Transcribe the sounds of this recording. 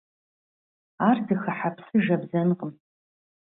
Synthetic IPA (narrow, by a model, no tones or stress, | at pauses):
aːrdɨxɐħapʰsɨʒɐbzɐnɨqʼəm